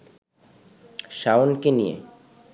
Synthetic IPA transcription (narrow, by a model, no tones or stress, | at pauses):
ʃaonkinijḛ